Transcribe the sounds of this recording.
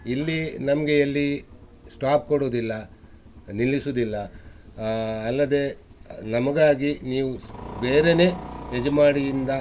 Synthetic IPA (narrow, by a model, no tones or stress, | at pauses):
ilːinɐmɐɡe̞ɐlːi | sʈaːp̚koɽoːd̪ilːɐ | nilːisuːd̪ilːɐ | lːɐd̪e̞nɐmɐɡaːɡiniːʋube̞ːɾe̞ne̞ːed͡ʒmaːɽijind̪ɐ